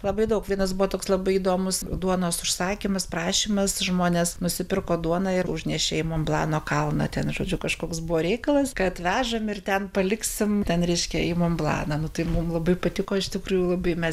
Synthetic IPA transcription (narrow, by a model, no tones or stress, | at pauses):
lˠɐbɐɪd̪ɐʊkʋʲiɛnɐs̬bʊʋɔt̪oːkslˠɐbɐɪid̪oːmʊsd̪uɔnoːsʊʃsɑːkʲimɐsprɑːʃʲiːmɐsʒmoːnʲeːsnʊsʲɪpʲɪrkoːd̪uɔnɑɪrʊʒʲnʲɛʃʲeɛɛɪmoːmblˠɑ̰ːnoːkɐlˠnɐ̰tʲɛnʒoːd͡ʒʲʊkɐʃkoːksbʊʋoːɾʲɛɪkɐlˠɐskɐt̪ʋʲæːʒɐmɪrt̪ʲɛnpɐlʲɪksʲɪmt̪ʲɛnɾʲɛɪʃʲkʲɛɛɪmoːmblˠɑ̰ːnɐnʊt̪ɐɪmʊmlˠɐbɐɪpɐt̪ʲɪkoːɪʃt̪ʲɪkruːjʊlˠɐbɐɪmʲɛs